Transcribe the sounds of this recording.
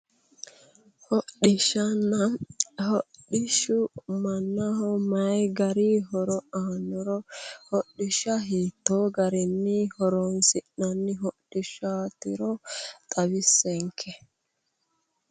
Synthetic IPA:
hɔɗɪʃɐnːɐhɔɗɪʃʊʊmɐnːɐɦɔmɐjɡɐɾiɦɔɾɔanːɔɾɔhɔɗːɪʃɐɦiːt̪ːoːɡɐɾɛnːɪhɔɾonsɪʔnɐnːɪɦɔɗɪʃaːt̪ɪɾɔt̪ʼɐbɪsːɛŋkʰɛ

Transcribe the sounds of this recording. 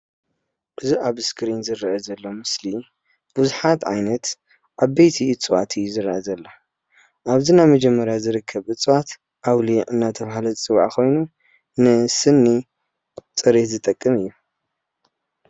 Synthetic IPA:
ʔɨziʔaβɨskʰɾinzɨɾɐʔɐzɐlːomɨsli | b̥uzuħat̪ʕa̰jnɐt̪ | ʔaβbejt̪ʰiɨt͡sʼɨwa̰t̪ʰɨjːuzɨɾɐʔɐzɐlːɐ | ʔaβzinaβmɐd͡ʒɛmːɐɾjazɨɾɨkʰːɐβɨt͡sʼɨwat̪ | ʔawliʔɨnːat̪ʰɐβahalɐt͡sʼɨwʕakʰo̞jnu | nɨsɨnːi | t͡sʼɨɾet̪zɨt̪ʼɐkʼːɨmɨjːu

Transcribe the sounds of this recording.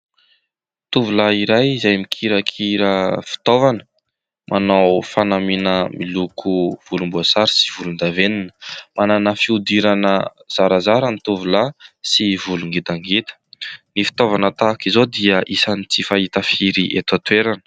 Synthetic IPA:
t̪uvulaiɾajizajmikʰiɾəkʰiɾəfi̥t̪ovanə̥ | mʔanawfanaminəmilukʰuv̥ulumbuasaɾi̥si̥vulund̪aveninə̥mananafiud̪iɾanəz̥aɾazaɾanit̪uvulasivuluŋɡit̪aŋɡit̪ə̥nifi̥t̪ovanət̪akizod̪iəʔisanit͡sifaɦit̪əfiɾiʔet̪at̪weɾanə̥

